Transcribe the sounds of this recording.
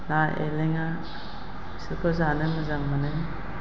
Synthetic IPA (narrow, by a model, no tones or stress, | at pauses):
naḛleŋa | sikʰɔzanɯmazaŋmanɯ